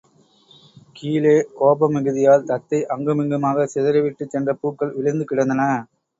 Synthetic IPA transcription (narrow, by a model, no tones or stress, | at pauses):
kʰiːleːkoːbɐmːɪɣɯðɪjaːlt̪ɐt̪ːɐɪʔɐŋɡɯmɪŋɡɐmaːɣɐsɛðɐɾɐʋɪʈːɯt͡ʃːɛndrɐpuːkːɐɭʋɪɭɐnd̪ɯkɪɽɐnd̪ɐnɐ